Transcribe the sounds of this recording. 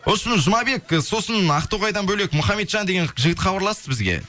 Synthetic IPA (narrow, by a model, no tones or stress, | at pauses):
wosəmɪzʒʊmɑbe̞kso̞sənɑqt̪oʁɑjd̪ɑnbɵle̞kmʊχɑme̞t̪ʒɑnd̪e̞ɡʲe̞nʒɪɡʲɪt̪χɑbɑɾlˠɑsəzbɪzɡʲe̞̰